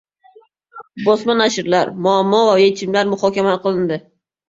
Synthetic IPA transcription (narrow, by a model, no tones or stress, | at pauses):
bɒsmanaʃɪɾlaɾmʊamːɒvajet͡ʃʰɪmlaɾmʊhɒkʲamaqʰɨlˠɪnd̪ɪ